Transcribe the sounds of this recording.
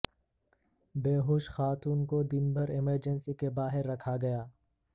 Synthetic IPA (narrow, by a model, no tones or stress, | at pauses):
beːɦoːʃxaːt̪uːnkod̪ɪnbʱəɾɪməɾd͡ʒənsikebaːɦɪɾːɐkʰaɡɐjaː